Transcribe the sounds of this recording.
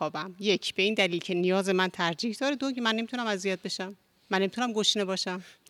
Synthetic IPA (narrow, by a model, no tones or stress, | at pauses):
ɒːbæmje̞cʰb̥e̞iːnd̪æliːlcʰenijɒːze̞mænt̪ʰæɾd͡ʒiːhd̪ɒːɾed̪okmænːe̞mit̪unæmæzijɒːd̪̚be̞ʃæmː | ænːemit̪unæmɡoʃne̞bɒːʃæm